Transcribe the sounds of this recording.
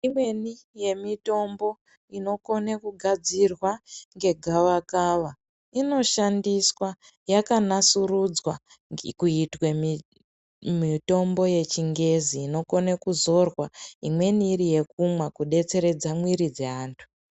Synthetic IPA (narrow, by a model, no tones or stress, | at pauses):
imwe̞ni | je̞mito̞mbo̞ | ino̞ko̞nekuɡʱad͡zirwaŋɡe̞ɡʱaʋakaʋa | ino̞ʃandiswa | jakanasurud͡zwa | kuitwemi | mito̞mbo̞je̞t͡ʃiŋɡe̞ziːno̞ko̞nekuzo̞rwaimwe̞niːɾije̞k̚umwakuɗe̞t͡se̞ɾe̞d͡zamwiɾid͡ze̞ɦaːntʰu̥